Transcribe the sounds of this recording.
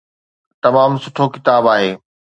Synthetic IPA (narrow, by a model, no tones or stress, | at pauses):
t̪ɐmaːmsʊʈʰokɪt̪aːbaːɦeː